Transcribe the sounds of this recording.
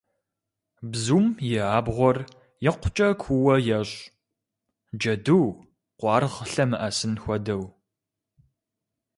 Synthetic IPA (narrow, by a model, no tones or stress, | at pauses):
bzuːmjɛaːbʁʷɔr | jɛqʷʊt͡ʃʼɐkʷʰuwɐjɛɕʼ | d͡ʒɐduw | qʷɑːrʁəɬɐmɨʔɐsɨnxʷɔdɐw